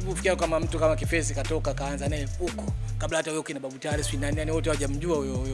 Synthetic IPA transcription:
ukːfi̥kiakamam̩tukamakifɛs̬ikatɔkakaanzanɛukɔ̥kablahatawɛukinaɓaɓutaɾisinanijaniwɔtɛhawaʄam̩ʄuaujɔjɔ

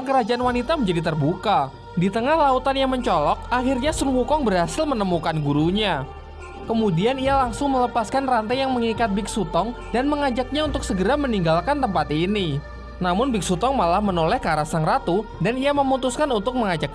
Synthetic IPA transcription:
aŋkəɾad͡ʒaʔanwanit̪aməɲd͡ʒadit̪ərbuka | dit̪əŋahlaut̪anjaŋməɲt͡ʃɔlɔk̚ʔahirɲasʊnwukɔŋbərɦasɪlmənəmukanɡuɾuɲa | kəmudianijalaŋsʊŋmələpaskanrant̪ajaŋməŋikat̪̚bɪk̚sut̪ɔŋ | danməŋad͡ʒak̚ɲaunt̪ʊk̚səɡəɾaməniŋɡalkant̪əmpat̪ini | namʊnbɪk̚sut̪ɔŋmalahmənolɛhkaɾasaŋrat̪u | danijaməmut̪ʊskanunt̪ʊk̚məŋad͡ʒak̚

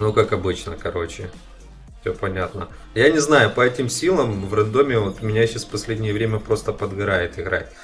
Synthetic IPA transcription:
nukakɐbɨt͡ɕnəkɐɾo̞t͡ɕɪ | fsʲopɐnʲat̪nə | janʲɪznajʊpɐɛtʲɪmsʲilˠəmvrənd̪o̞mʲɪvot̪ʊmʲɪnʲaɕːasfpɐsʲlʲedʲnʲɪjəvɾʲemʲəpɾo̞st̪əpəd̪ɡɐɾajɪt̪ɪɣɾa̰tʲ

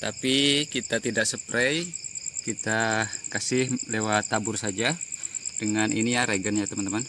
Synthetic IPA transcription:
t̪apikit̪at̪idaʔsəpɾɛjkit̪akasɪhlewat̪ːabʊrsad͡ʒad̥əŋaninijaɾeɡənjat̪əmant̪əman

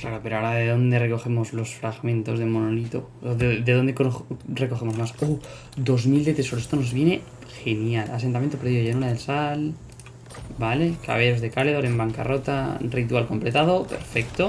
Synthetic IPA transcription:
klaɾope̞ɾoaoɾaðeðo̞nd̪e̞reko̞e̞mo̞zlo̞sfɾaɣmẽnt̪o̞zðe̞mo̞nolit̪o̰ | ðed̪eðond̪ekore̞ko̞xe̞mo̞zmasu | d̪o̞zmild̪e̞t̪e̞so̞ɾoest̪ono̞zβje̞ne̞ | xe̞njala̰sent̪amjent̪opeɾðiðʝenuɾaðelsal | bale̞ka̰β̞eʝo̞zðe̞kaleðoɾe̞mbaŋka̰ro̞t̪arit̪ualko̞mple̞t̪aðo̞pe̞̰ɾfe̞kt̪o

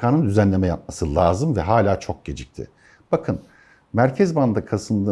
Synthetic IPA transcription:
kaːnɯnd̪yzænlʲe̞mɛja̰p̚masɯlˠaːzɯmvɛɦaːlʲaːt͡ʃʰo̞k̚ɟe̞d͡ʒic̚t̪ʰɪ̰ | b̥akʰɯn | mæɾcʰɛzband̪akʰasɯnd̪ɯ

